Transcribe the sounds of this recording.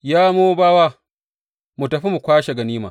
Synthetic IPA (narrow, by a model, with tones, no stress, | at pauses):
jaː˦moː˦baː˦waː˦ | mu˨tɐ˨ɸi˦mu˨kʷaː˦ʃe˨ɡɐ˨niː˦ma̰ː˨